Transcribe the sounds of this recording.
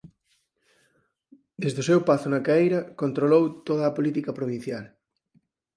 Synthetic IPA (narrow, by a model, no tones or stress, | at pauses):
d̪ezðʊsewpaθʊnɐkaejɾɐkont̪ɾolowt̪oðɐːpolit̪ikɐpɾoβ̞in̟θjal